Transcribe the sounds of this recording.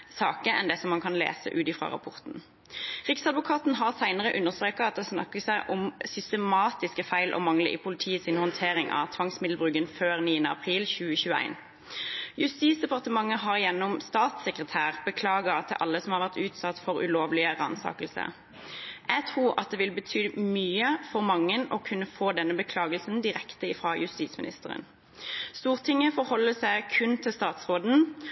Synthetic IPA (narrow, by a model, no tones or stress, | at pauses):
sɑːkəɛnd̪ɛsɔmːɑnkʰɑnlḛːsə̰ʔʉːt̪ɪfʁɑ̰ʁɑ̰pʰɔʁt̪n̩ | ʁɪksɑd̪ʋʊkʰɑːt̪n̩ɦɑʁsæɪnəʁəʔʉnːəʁst̪ɾʁeːkɑɑt̪̚d̪ɛsnɑ̰kːəsæɪʔɔmsʏst̪əmɑːt̪ɪskəfæɪlʔɔ̰mɑŋlə̰ʔḭːpʰʊlɪt̪ʰiːəsɪnhɔnt̪ʰeːʁɪŋʔɑ̰t̪ʰʋɑŋsmɪd̪l̩bʁʉːkːənføːʁniːənəɑ̰pʰʁiːlçʉːəçʉːəæ̰ɪn | jʉst̪iːsd̪ɛpɑʁt̪əmɑŋːəɦɑʁjɛnːɔmst̪ɑːt̪səkʁət̪ʰæːʁbəkʰlɑːɡəɑt̪ʰːɪʔɑ̰lːəsɔmhɑːʁʋæʁt̪ʉːt̪sɑt̪ːfɔʁʉ̰loːʋlɪəʁɑ̰nsɑ̰ːkəlsə̰ | æt̪ʰʁuːʁʔɑ̰t̪̚d̪eːʋɪlbət̪ʰyːmyːəfɔʁmɑŋːənɔːkʰʉnːəfoːd̪ɛnːəbəkʰlɑːɡəlsn̩d̪ɪʁɛkt̪əɪfʁɑːjʉst̪iːt̪smɪ̰nɪ̰st̪əʁə̰n | st̪uːʁt̪ʰɪŋːəfɔʁhɔlːəsæɪkʰʉnt̪ʰɪlst̪ɑːt̪sʁoːd̪n̩